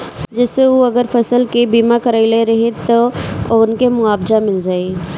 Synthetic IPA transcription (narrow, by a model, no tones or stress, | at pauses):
d͡ʒɐseuɐɡəɾfʰɐsəlkebiːmakəɾaɪleɾɐɦet̪ɐonkemʊaːbzamɪld͡ʒaːe